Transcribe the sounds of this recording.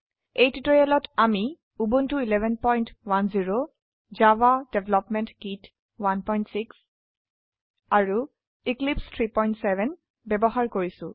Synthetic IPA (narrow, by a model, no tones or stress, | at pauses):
ejtitɔɹijalɔtami | ubuntuilɛbʱɛnpɔjntwanziɹo | zawadɛbʱɛlɔpmɛntɡit | wanpɔjntsiks | aɹu | iklipstʰɹipɔjntsɛbɛn | bɛbɔɦaɹkoɹisʊ̃